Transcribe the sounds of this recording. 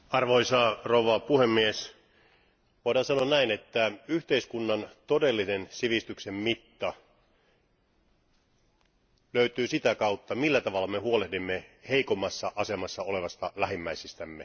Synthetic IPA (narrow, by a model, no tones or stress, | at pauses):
ɑrʋoisɑːrouʋɑpuhemːies | ʋoˑiɾɑːnsɑnoɑnnæinet̪ːæyht̪eiskunːɑnt̪odelːinensiʋist̪yksemmit̪ːɑ | løyt̪yːsit̪ækɑut̪ːɑmilːæt̪ɑʋɑlːɑmehuolehdimːeheikomːɑsːɑʔɑsemɑsːɑole̞ʋɑst̪ɑlæhimːæisist̪æmːe